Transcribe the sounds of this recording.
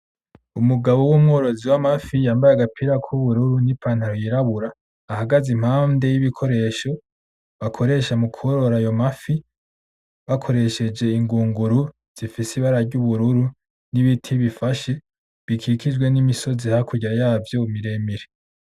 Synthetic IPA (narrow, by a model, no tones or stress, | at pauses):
umuɡaβowumŋo̞ːɾo̞ziwamafijaːmbajaɡapʰiɾakʰuβuɾuɾunipʰaːn̥haɾojiɾaβuɾaː | haɡazim̥haːnde̞jiβikʰo̞ɾe̞ʃo̞ | βakʰo̞ɾe̞ʃamukʰuoɾo̞ɾajo̞mafi | βakʰo̞ɾe̞ʃe̞d͡ʒe̞iŋɡuːŋɡuɾu | z̥ifisiβaɾaɾɟuβuɾuɾu | niβitʰiβifaʃe̞ | βikʰikid͡ʒɡwe̞nimiso̞zihakuɟiɾajaːvjoumiɾe̞miɾe